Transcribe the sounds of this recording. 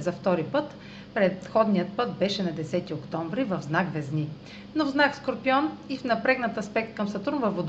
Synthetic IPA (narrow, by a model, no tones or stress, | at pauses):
zɐft̪ɔɾipɤt̪ | pɾɛt̪xɔd̪nijət̪̚pɤt̪̚bɛʃɛnɐd̪ɛsɛt̪iokt̪ɔ̃ɱvɾivɐvznakvɛzni | novznakskoɾpiɔnifnɐpɾɛɡnɐt̪ɐspɛk̚t̪̚kɐmsɐt̪uɾnvɐfvod̪